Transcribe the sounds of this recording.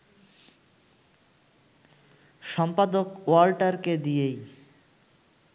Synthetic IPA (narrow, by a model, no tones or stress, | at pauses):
ʃɔmpad̪okwalʈaɾked̪ijej